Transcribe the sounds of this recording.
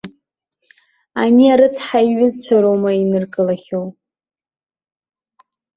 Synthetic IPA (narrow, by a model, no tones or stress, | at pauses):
aniaɾɨt͡sʰħaiɥʊzt͡ɕʷʰaɾomainɨrkʼɨlaχʲow